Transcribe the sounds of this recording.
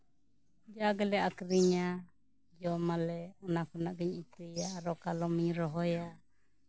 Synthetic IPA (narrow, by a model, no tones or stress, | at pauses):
d͡ʒaɡɛlɛʔakɾiɲa | d͡ʒɔmalɛɔnakʰɔnaʔɡiɲit̪ijaːɾɔkalɔmiɾɔɦɔja